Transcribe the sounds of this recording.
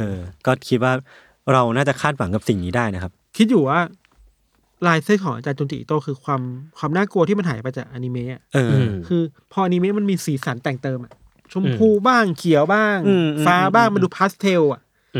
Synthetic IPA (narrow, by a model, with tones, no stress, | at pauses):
ʔɤː˧kɔː˥˩kʰi˦t̪̚waː˥˩ | ɾa˧wnaː˥˩t͡ɕa˨˩kʰaː˥˩t̪̚wa˩˦ŋka˨˩p̚si˨˩ŋniː˦˥daː˥˩jna˦kʰa˦˥p̚kʰi˦˥t̪̚juː˨˩waː˥˩ | laː˧jseː˦˥˩kʰɔː˩˦ŋa̰ː˧t͡ɕaː˧nt͡ɕo˧ŋt̪ḭː˨˩˨t̪o˥˩kʰɯː˧kʰwaː˧mkʰwaː˧mnaː˥˩ku˧ət̪ʰiː˥˩ma˧nɦaː˩˦jpa˧jt͡ɕaː˨˩k̚ʔa˧ni˧me˦˥ʔa˨˩ʔɤː˧kʰɯː˧pʰɔ˧ʔa˧ni˧meː˦˥ma˧nmiː˧siː˩˦saː˩˦nt̪ɛː˨˩ŋt̪ɤː˧mʔa˨˩ʔ | t͡ɕʰu˧mpʰuː˧baː˥˩ŋkʰi˨˩˦əwbaː˥˩ŋː˧faː˧baː˥˩ŋma˧ndu˧pʰaː˦˥st̪ʰe˧wa˨˩ʔ